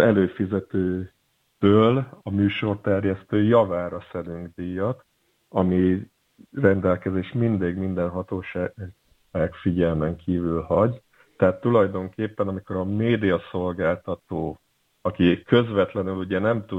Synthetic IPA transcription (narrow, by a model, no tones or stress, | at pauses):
ɛløːfizɛt̪øː | t̪øːlɒmyːʃo̞rt̪ɛrjɛst̪øːjɒvaːɾɒsɛɾyŋɡd̪ijːɒt̪ | ɒmi | rɛnd̪ɛlkɛzeːʃmind̪eːɡmind̪ɛnɦɒt̪oːʃaː | aːɡfiɟɛlmɛŋkʰiːvylhɒɟ | t̪ɛɦaːt̪ːulɒjd̪o̞ŋkeːpːɛnɒmiko̞ɾɒmeːd̪ijɒso̞lɡaːlt̪ɒt̪oː | ɒkikø̞zʋɛt̪lɛnyluɟɛnɛmt̪u